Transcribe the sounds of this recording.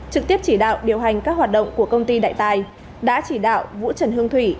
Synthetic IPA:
t͡ɕɨ˨˩k̚t̪i˦˥əp̚t͡ɕi˧˩ɗa̰ː˧˨wɗi˨˩əwɦa˨˩jŋ̟kaː˦˥k̚waː˨˩t̚ɗə̰˧˨wŋ͡mku˧˩əkə˧wŋ͡mt̪i˧ɗa̰ː˧˨jt̪aː˨˩j | ɗa̰ː˧˥t͡ɕi˧˩ɗa̰ː˧˨wvṵ˧˥t͡ɕə˨˧˩nhɨ˧əŋt̪ʰwi˧˩

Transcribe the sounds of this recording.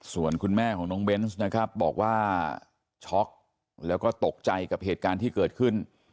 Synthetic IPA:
su˨˩ənkʰu˧nmɛː˥˩kʰɔː˩˦ŋnɔː˦˥ŋbe˦˥nsna˦˥kʰɾa˦˥p̚bɔː˨˩k̚waː˥˩ | t͡ɕʰɔ˦˥k̚ | lɛː˦˥wkɔː˥˩t̪o˨˩k̚t͡ɕa˧jka˨˩p̚heː˨˩t̪̚kaː˧nt̪ʰiː˥˩kɤː˨˩t̪̚kʰɯ˥˩n

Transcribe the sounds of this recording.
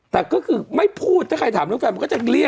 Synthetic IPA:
t̪ɛː˨˩kɔː˥˩kʰɯː˧ma˥˩jpʰuː˥˩t̪ʰːaː˥˩kʰa˧t̪aː˨˩˦mɾɯ˥˩əŋfɛː˧m˧kɔː˥˩t͡ɕa˨˩li˧˥˩ə

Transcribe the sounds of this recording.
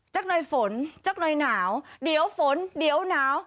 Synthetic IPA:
t͡ɕa˦˥k̚nə˧jfo˨˦nt͡ɕa˦˥k̚nə˧jnaː˧˩wɗi˧˩˦əwfo˧˦nɗi˧˦əwnaː˧˦w

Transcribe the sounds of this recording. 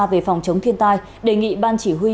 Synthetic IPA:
ve˨˩fɔ˨˩wŋ͡mt͡ɕə˨˦wŋ͡mt̪ʰi˧ənt̪aː˧j | ɗe˨˩ŋḭ˧˨ɓaː˧nt͡ɕi˧˩ɦwi˧

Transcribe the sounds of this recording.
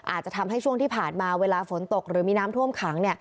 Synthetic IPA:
ʔa̰ː˨˩t̪̚t͡ɕa˨˩t̪ʰa˧mɦa˥˩jt͡ɕʰu˥˩əŋt̪iː˥˩pʰaː˨˩nmaː˧weː˧laː˧fo˩˦nt̪o˨˩k̚ɾɯː˩˦miː˧naː˦˥mt̪ʰu˥˩əmkʰaː˩˦ŋni˥˩ɐ

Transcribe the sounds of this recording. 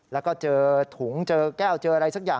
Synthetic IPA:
lɛː˦˥wkɔː˥˩t͡ɕɤː˧t̪ʰu˩˦ŋt͡ɕɤː˧kɛː˥˩wt͡ɕɤː˧ʔa˧ɾa˧jsa˦˥k̚jaː˨˩

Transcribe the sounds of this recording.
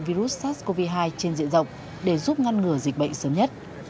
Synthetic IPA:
vi˧ɾu˦˥t̚saː˦˥sko˧vi˧ɦaː˧jt͡ɕe˧nzḭ˧˨ənzə˨˩wk͡p̚ | ɗe˧˩zu˦˥p̚ŋa˧nŋɨ˨˧˩əzï˨˩k̟̚ɓə̰˧˨ŋsəː˨˦mɲə˦˥t̚

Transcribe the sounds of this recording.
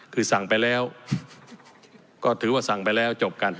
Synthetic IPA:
kʰɯː˧sa˨˩ŋpa˧jlɛː˦˥w | kɔː˥˩t̪ʰɯː˩˦waː˥˩sa˨˩ŋpa˧jlɛː˦˥wt͡ɕo˨˩p̚ka˧n

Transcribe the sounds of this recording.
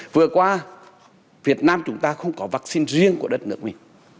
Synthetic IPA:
vɨ˨˩əkwaː˧ | vi˨˩ət̚naː˧mt͡ɕʊ˨˦ŋ͡mt̪aː˧xə˧wŋ͡mkɔ˨˦vaː˦˥k̚si˧nzi˧əŋku˧˩əɗə˦˥t̚nɨ̰˨˦˥ək̚mi˨˩ŋ̟

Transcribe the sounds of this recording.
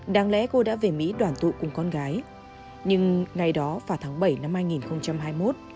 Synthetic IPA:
ɗaː˨˦ŋlɛ̰˧˥ko˧ɗa̰ː˧˥ve˨˩mḭ˧˥ɗwaː˧˩nt̪ṵ˧˨kʊ˨˩ŋ͡mkɔ˧nɣaː˨˦j | ɲɨ˧ŋŋa˨˩jɗɔ˨˦vaː˨˩t̪ʰaː˨˦ŋɓə˧˩jna˧mhaː˧jŋi˨˩nxə˧wŋ͡mt͡ɕa˧mɦaː˧jmo˦˥t̚

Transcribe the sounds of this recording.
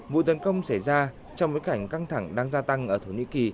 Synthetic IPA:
vṵ˧˨t̪ə˨˦nkə˧wŋ͡msa˧˩jzaː˧ | t͡ɕɔ˧wŋ͡mɓo˨˦jka˧˩jŋ̟ka˧ŋt̪ʰa˧˩ŋɗaː˧ŋzaː˧t̪a˧ŋʔəː˧˩t̪ʰo˧˩nḭ˧˥ki˨˩

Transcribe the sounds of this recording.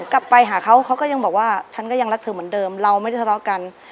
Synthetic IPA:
kla˨˩pːa˧jɦaː˩˦kʰa˦˥wkʰa˦˥wkɔː˥˩ja˧ŋbɔː˨˩k̚waː˥˩t͡ɕʰa˦˥nkɔː˥˩ja˧ŋɾa˦˥k̚t̪ʰɯː˨˦mɯ˩˦ndɤː˧mɾa˧wma˥˩jda˥˩t̪ʰːɔː˦˥ka˧n

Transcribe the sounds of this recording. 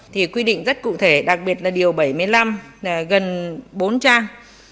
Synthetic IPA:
t̪ʰi˨˩kwi˧ɗḭ˧˨ŋ̟zə˦˥t̚kṵ˧˨t̪ʰe˧˩ɗa˨˩k̚ɓi˨˩ət̚laː˨˩ɗi˨˩əwɓa˧˩jmɨ˧əjla˧m˨˩ɣə˨˩nɓo˨˦nt͡ɕaː˧

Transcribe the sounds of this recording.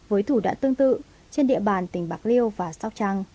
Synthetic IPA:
vəː˨˦jt̪ʰu˧˩ɗa̰ː˧˥nt̪ɨ˧əŋt̪ɨ̰˧˨ | t͡ɕe˧nɗḭ˧˨əɓaː˨˩nt̪ï˨˩ŋ̟ɓaː˨˦˥k̚li˧əwvaː˨˩sa˦˥wk͡p̚t͡ɕa˧ŋ

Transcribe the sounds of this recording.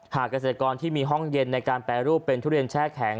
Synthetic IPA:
haː˨˩kːa˧s̬eː˨˩t̪a˧kɔː˧nt̪ʰiː˥˩miː˧ɦɔ˥˩ŋje˧nːa˧jkaː˧npɛ˧˩ɾuː˥˩pːe˧nt̪ʰu˥˩ɾi˧nt͡ɕʰɛː˥˩kʰɛ˩˦ŋ

